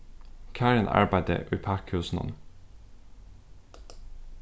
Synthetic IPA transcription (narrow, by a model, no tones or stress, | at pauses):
kʰæːɹənʔɑ̰ɹbæɪd̪ə̰ʔʉpʰækhʉːsn̩ɔ̰n